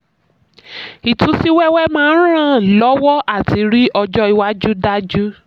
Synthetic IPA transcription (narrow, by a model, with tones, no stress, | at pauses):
i˨tũ˨˦si˦wɛ˦wɛ˦mãː˦˧˦ɾ̃ã˦˨lɔ˨˦wɔ˦ʔa˦˨ti˨˦ɾi˦ɔ˧d͡ʒɔ˦i˧wa˦d͡ʒu˦da˦d͡ʒu˦